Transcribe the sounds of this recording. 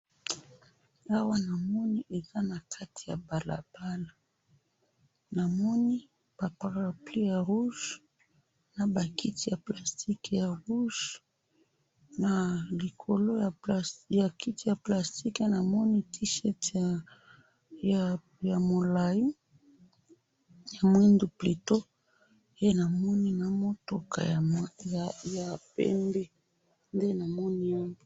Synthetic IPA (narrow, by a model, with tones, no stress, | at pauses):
a˦wa˦na˨mɔ˦ni˦ʔe˨za˦na˨kʰa˦tʰi̥˨ja˨ba˨la̰˨b̥a˦la˨ | na˨mɔ˦ni˦ | b̥a˨pa˨ʁa˨pli˦ja˨ʁu˦ʒ | na˨ba˨ki˦ti˦˨ja˨pla˨sti˦kja˨ʁu˦ʒ | na˨li˨kʰo˨lo˦˨ja˨ki˦ti˦˨ja˨pla˨sti˦ke˦na˨mɔ˦ni˦ti˦ʃɛ˦t | ja˨mo˨la˨ji˦ | ja˨mwe˦ndu˨pli˨to˦ | je˦na˨mɔ˦ni˦na˨mo˦to˨ka̰˨ | ja˨pɛ̰˦mbe˦ | nde˦na˨mɔ˦ni˦a˦mbo˦